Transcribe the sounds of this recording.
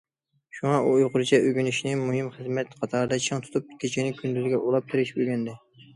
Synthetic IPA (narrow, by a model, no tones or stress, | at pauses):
ʃuŋɑujqʊɾt͡ʃʰɛʔøɡʲynɪʃnɪmuɦɪmχɨzmɛt̪qʰɑt̪ʰɑɾd̪ɛt͡ʃʰɑŋt̪ʰu̥t̪ʰup̚kʲʰet͡ʃʰɪnɪkʲʰynd̪yzɡʲɛʔolˠɑp̚t̪ʰɪɾɪʃbølɡʲɛnd̪ɪ